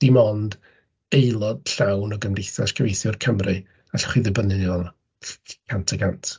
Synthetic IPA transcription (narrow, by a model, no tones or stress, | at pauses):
d̥imɔnd̥ | ejlˠɔd̥ɬawnɔɡəmrejθaskʰəvejθjʊrkʰəmrɨ | aɬɔ̥χiðɨbənɨðjɔl | kʰantʰəɡʰantʰ